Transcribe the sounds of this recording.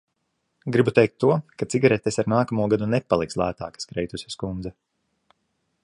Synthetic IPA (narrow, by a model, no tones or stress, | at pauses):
ɡɾibut̪ɛjk̚t̪ʰːuɔkat̪siɡaɾɛt̪ɛsaɾnaːkamuɔɡad̪unɛpalˠikslˠæ̰ːt̪a̰ːkḁskɾɛjt̪usʲɛ̥skund̪zɛ